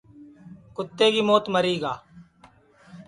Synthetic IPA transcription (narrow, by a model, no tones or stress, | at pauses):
kʊt̪ːeːkiːmoːt̪məɾiːɡa̰ː